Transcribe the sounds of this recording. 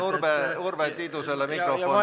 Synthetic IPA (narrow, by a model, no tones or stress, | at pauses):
urbeurbet̪ːit̪uselːemikrofo